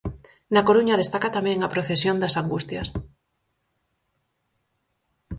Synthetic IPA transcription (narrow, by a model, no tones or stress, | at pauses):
nakoɾuɲɐð̞est̪akat̪amɛ̃ŋapɾoθesjond̪ɐsaŋɡust̪jɐs